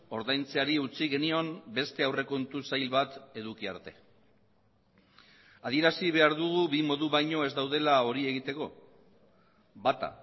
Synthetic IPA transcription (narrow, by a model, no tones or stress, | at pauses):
o̞ɾðajnt͡seaɾiut͡siɣe̞nio̞mbe̞st̪e̞awre̞koent̪usajlβat̪e̞ðukia̰ɾt̪e̞ | aðie̞ɾasiβe̞aɾðuɣ̞uβimo̞ðuβajɲo̞e̞zd̪awðe̞lao̞ɾie̞ɣit̪e̞ko̞ | bat̪a̰